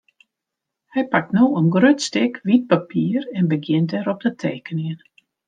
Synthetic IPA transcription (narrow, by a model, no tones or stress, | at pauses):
hɛjpak̚tnoːənɡrøtstɪkʋit̚papiːəɾɛnbəɡjɪntɛɾɔp̚dətʰeːkəniən